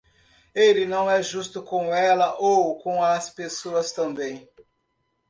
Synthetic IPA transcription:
elɪnɐ̃w̃ɛʒust̪ʊkõw̃ɛlɐʔowkõw̃ɐspesoɐst̪ɐ̃mbẽj̃

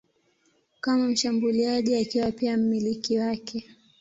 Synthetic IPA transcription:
kamam̩ʃambuliaʄiakiwapiam̩milikiwakʰɛ

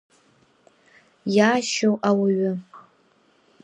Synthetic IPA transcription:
jaːʃowʔawaɥʊ

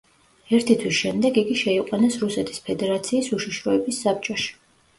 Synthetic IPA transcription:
ɛɾt̪ʰit̪ʰwisʃɛmd̪ɛɡiɡiʃɛiqʼwanɛsɾusɛt̪ʰi̥spʰɛd̪ɛɾat̪sʰiːsuʃiʃɾɔɛbisːap̚t͡ʃʼɔʃi̥

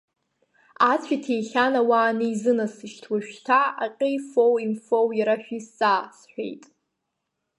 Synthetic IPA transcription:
at͡sʷʰʼitʰejχʲanawaːnijzɨnasɨʃtʰwaʃᶣtʰaa̰qʲʼejfowinfowjaɾaħᶣisasħʷᶣḛjtʼ

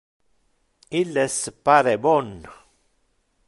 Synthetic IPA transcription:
ilːespaɾebɔn

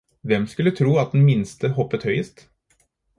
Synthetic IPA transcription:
ʋɛmskʉlːət̪ʰɾuːɑt̪̚d̪nmɪnst̪əhɔpːət̪hœʏəst̪

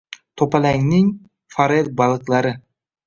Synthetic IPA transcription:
t̪ʰopalaŋnɪŋ | faɾed̪̚balˠɨqlˠaɾɪ

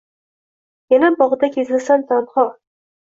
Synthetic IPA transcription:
janabɒʁɨd̪akʲʰezɪlsant̪ʰɒnχɒ

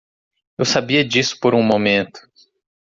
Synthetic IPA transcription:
ewsabiɐd͡ʒisʊ̥poɾũmomẽnt̪ʊ̥

